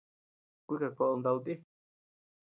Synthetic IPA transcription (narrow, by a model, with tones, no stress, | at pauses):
kʷu˦i˦ka˨ko˧ʔo˧nd̪a˧u˧t̪i˦